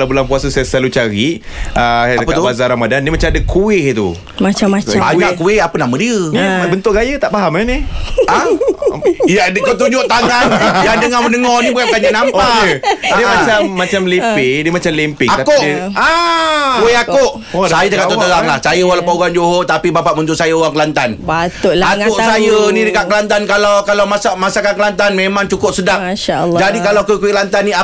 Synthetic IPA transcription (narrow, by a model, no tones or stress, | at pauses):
labulaŋpuasəsajasəlalut͡ʃaɾiəaəpəabazaɾamadandimat͡ʃamadəkʰuwɪht̪ṵ | maaaaakuɪhapənamədiəibənt̪ʊʔɡajət̪aʔpaɦamania | jadəkɔt̪uɲd͡ʒoʔt̪aŋanjaŋdəŋaməndəŋɔnibuakaɲanampaədimat͡ʃamːat͡ʃamlimpidəmat͡ʃamlimpɪakoʔa | ueakoʔ | sajadəkaʔt̪ot̪əɾaŋlahsajəwalapəuɡand͡ʒoɦot̪apibapaʔbənt̪ʊʔsajəoɣaŋkəlant̪anbatoʔlaakoʔsajənĩdəkaʔkəlant̪ankalawkalawmasamasakankəlant̪anmemãŋt͡ʃukʊp̚sədaʔʃaːd͡ʒadikalawkukuiʔlant̪anːia